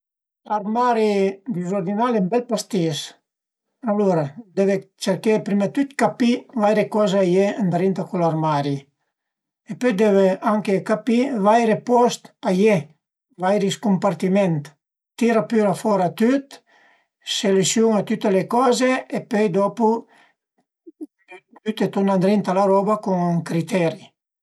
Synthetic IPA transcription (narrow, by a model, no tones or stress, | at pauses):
laɾmaɾid̪izoɾd̪inalɛmbɛlpast̪is | aluɾad̪ɛvet͡ʃeɾkepɾimat̪yt̪kapivajɾekɔzeajeand̪ɾint̪akulaɾmaɾi | epøjd̪ɛveʔaŋkekapivajɾepɔst̪aje | vajɾiskumpaɾt̪imɛnt̪ | t̪iɾapyɾafɔɾat̪yt̪ | selusjuŋat̪yt̪elekɔzeepøjd̪ɔpu | t̪yt̪et̪unand̪ɾint̪alaɾɔbakuŋkɾit̪ɛɾi